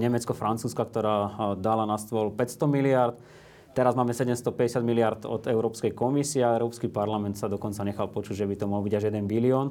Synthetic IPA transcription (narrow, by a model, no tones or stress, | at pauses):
ɲɛmɛt͡skɔfɾant͡suːskakt̪ɔɾaːd̪alanast̪ʋɔlpɛcst̪ɔmiliaɾt̪ | t̪ɛɾazmaːmɛsɛɟɛmst̪ɔpɛɟɛsɪad̪miliaɾd̪ɔ̰d̪ɛʊɾɔːpskɛjkɔmisiɛaɛʊɾɔːpskipaɾlamɛnt̪sad̪ɔkɔnt͡saɲɛxalpɔt͡ʃuɟʒɛbit̪ɔmɔɦlbiɟaʒjɛd̪ɛnbiliɔːn